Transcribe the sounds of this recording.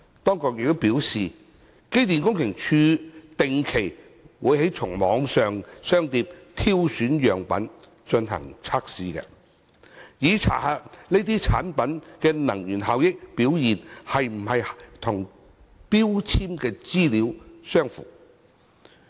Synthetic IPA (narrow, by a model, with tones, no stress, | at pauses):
t̪ɔː˥ŋkɔ˨˧k̚jɪ˨k̚t̪o˥wpiː˨˥wsiː˨ | ke˥jt̪iː˨nkʊ˥ŋkʰɪ˨˩ŋt͡ʃʰyː˧t̪ɪ˨ŋkʰe˨˩j | wuː˨˧˥jhe˨˥jt͡sʰʊ˨˩ŋmɔː˨˧ŋsœː˨ŋsœː˥ŋt̪iː˧p̚t̪ʰiː˥wsyː˨˥njœː˨˩ŋpɐ̰˨˥n | t͡ʃɵ˧nɦɐ̰˨˩ŋt͡sʰaː˥k̚siː˨˧kɛ̰˧ | jiː˨˧t͡sʰa̰ː˨˩ha˧t̚ne˥t̪iː˥t͡sʰa̰ː˨˥npɐ˨˥nkɛː˧nɐ˨˩ŋjyː˨˩nɦaː˨wjɪ˥k̚piː˨˥wjiː˨nhɐ˨jm̩˨˩hɐ˨jt̪ʰʊ˨˩ŋ | piː˥wt͡sʰiː˥mkɛː˧t͡siː˥liː˨˥wsœː˥ŋfṵː˨˩